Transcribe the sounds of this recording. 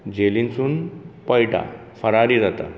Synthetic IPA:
d͡ʑelint͡suːnpəjʈa̰ | fəɾaɾiːd͡zat̪a̰

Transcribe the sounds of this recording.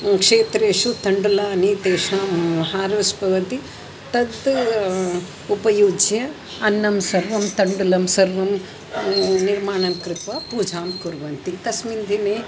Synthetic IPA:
kʂeːt̪ɾeːʂut̪ɐɳɖulaːnit̪eːʃaːmɦaːɾɐsbʱɐʋɐt̪i | t̪ɐd̪ | upɐjuːd͡ʒjɐ | ɐnːɐmsɐɾʋɐmt̪ɐɳɖulɐmsɐɾʋɐm | niɾmaːɳɐmkɾɪt̪ʋaːpuːd͡ʒʱaːmkuɾʋɐnt̪it̪ɐsmind̪ʱineː

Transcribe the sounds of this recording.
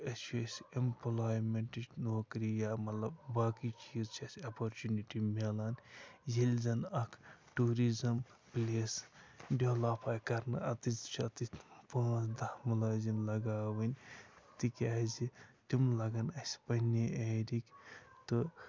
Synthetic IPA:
ɐt͡ʃʰuɐsʲemploːjmeɳʈinoːkɾijaːmɐt̪lɐbbaːkit͡ʃiːzt͡ʃʰɐsʲɐpoɾt͡ʃuniʈimelaːnzilʲzɐnɐkʰʈuɾizɐmplʲesɖelapʰaːjkɐɾnɨɐt̪ist͡ʃʰiɐt̪ipãːsd̪ɐhmɐlaːzinlɐɡaːʋɐnʲt̪ikɐzit̪imlɐɡɐnɐsʲpɐhneeːɾikt̪ɨ

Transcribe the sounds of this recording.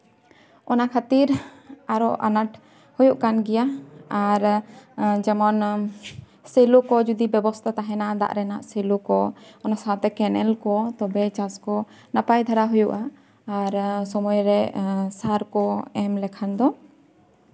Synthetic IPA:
ɔnakʰat̪iɾaɾɔʔanaʈ | hujuʔkanɡɛjaaɾ | d͡ʒɛmɔn | selukɔd͡ʒud̪ibɛbɔst̪ʰat̪aɦɛnad̪a̰ʔɾɛnaʔselukɔɔnasat̪ɛkɛnɛlkɔt̪ɔbɛt͡ʃaskɔ | napajd̪ʱaɾaɦujuʔaː | ɾsɔmɔjɾɛsaɾkɔɛmlɛkʰand̪ɔ

